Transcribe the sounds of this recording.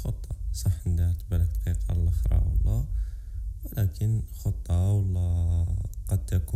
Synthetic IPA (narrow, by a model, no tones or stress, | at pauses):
xot̪ˤːɑsˤɑħənd̪æɾt̪bæləkt̪qiqɑ̰lʔəxɾɑ̰wəlˤːæ | wəlækʰənxot̪ˤːɑwəlˤːɑ | qɑd̪̚t̪æku